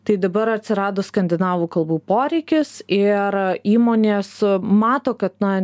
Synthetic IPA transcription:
t̪ɐɪd̪ɐbɐɾɐtʲsʲɪɾɑːd̪oːskɐnʲd̪ʲɪnɑːʋuːkɐlˠbuːpoːɾʲɛɪkʲɪsɪɾiːmoːnʲeːsmɑːt̪oːkɐt̪nɐ

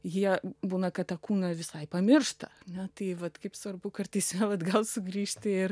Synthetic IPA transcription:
jiɛbuːnɐkɐt̪ɐkuːnɐʋʲɪsɐɪpɐmʲɪrʃt̪ɐɐnʲɛt̪ɐɪʋɐt̪kɐɪpsʋɐrbʊkɐrt̪ɐɪsʲmʲɛʋɐt̪ɡɐlˠsʊɡɾʲiːʃʲt̪ʲɪɪr

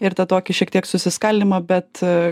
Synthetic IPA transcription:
ɪɾt̪ɐt̪oːkʲɪʃʲiɛk̚t̪ʲiɛksʊsʲɪskɐlʲd̪ʲɪmɐbʲɛt̪

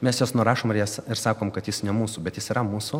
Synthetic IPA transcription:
mʲɛsjoːsnʊɾɑːʃoːmɪɾjɛːsɪɾsɑːkoːmkɐt̪jɪsnʲɛmuːsʊːbʲɛt̪jɪsiːɾɐmuːsʊ

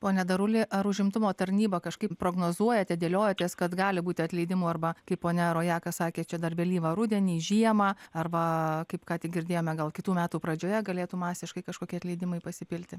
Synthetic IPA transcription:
poːnʲɛd̪ɐɾʊlʲɪʔɐɾʊʒʲɪmt̪ʊmoːt̪ɐɾʲnʲiːbɐkɐʃkɐɪppɾoːɡnoːzuɔjɛt̪ʲɛd̪ʲeːlʲoːjɛt̪ʲeːskɐt̪ɡɑːlʲɪbuːt̪ʲɪɐt̪ʲlʲɛɪd̪ʲɪmuːɐrbɐkɐɪppoːnʲɛɾoːjɑːkɐsɑːkʲeːt͡ʃʲɛd̪ɐrʲbʲɛlʲiːʋɐɾʊd̪ʲɛnʲiːʒʲiɛmɑɐrʋɐkɐɪpkɑːt̪ʲɪɡʲɪɾʲd̪ʲeːjoːmʲɛɡɐlˠkʲɪt̪uːmʲæːt̪uːpɾɐd͡ʒʲoːjɛɡɐlʲeːt̪uːmɑːsʲɪʃkɐɪkɐʃkoːkʲiːɐt̪ʲlʲɛɪd̪ʲɪmɐɪpɐsʲɪpʲɪlʲt̪ʲɪ

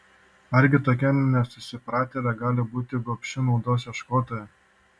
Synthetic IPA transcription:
ɐɾʲɡʲɪt̪oːkʲɛnnʲɛsʊsʲɪpɾɑːt̪ʲeːlʲɛɡɑːlʲɪbuːt̪ʲɪɡopʲʃʲʊnɔʊd̪oːs̬ʲjɛʃkoːt̪oːjɛ

